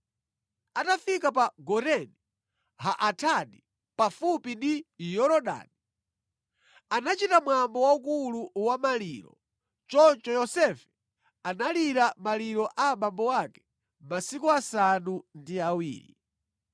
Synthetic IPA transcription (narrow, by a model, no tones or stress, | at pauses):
atafikapaɡɔɾɛni | haʔatʰaɗi | pafupindijɔɾɔɗa̰ːni | anat͡ʃitamwambɔwaukuluwamaliɾɔ̰ | t͡ʃɔnt͡ʃɔjɔsɛfɛ̥ | analiɾamaliɾɔʔamambɔwakɛ̥ | masikuasanundiawḭːɾḭ